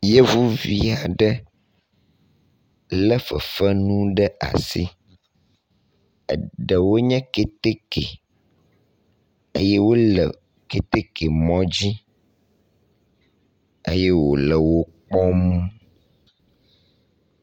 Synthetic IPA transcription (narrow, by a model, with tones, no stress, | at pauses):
je˦vu˦vi˦a˨ɖə˦ | lə˦fə˨fə˦nũ˦ɖə˦ʔa̰˨si˦ | ə̰˨ɖə˨wo˦ɲɛ̃˦ke˦t̪e˦kḛ˨ | e˦je˦wo˦lə̰˨ | ke˦t̪e˦ke˨mɔ̃˦d͡ʑi˦ | ḛ˦jɛ˦wo̰˨lə˨wo˦k͡pɔ˦mũ˦